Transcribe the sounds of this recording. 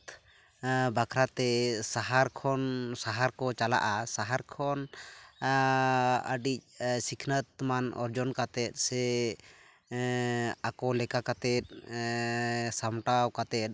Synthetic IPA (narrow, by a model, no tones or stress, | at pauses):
t̪ | bakʰɾat̪ɛsaɦaɾkʰɔnsaɦaɾkɔt͡ʃala̰ʔasaɦaɾkʰɔn | ə̰ɖic̚sikʰnət̪̚manɔ̰ɾd͡ʒɔnkat̪ɛt̪̚ˀsɛ | akɔlɛkakat̪ɛt̪̚ | samʈawkat̪ɛt̪̚